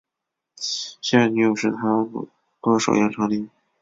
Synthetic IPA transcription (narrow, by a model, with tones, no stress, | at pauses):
ɕɛ˥˩a˥˩ny˧˥˩jo˨˩ʂɻ̩˥˩t̪ʰa˥˧˥ | kɤ˥˩ʂo̰˨˩ʊjɛ˥nʈ͡ʂʰɑ˧˥ŋli˧˥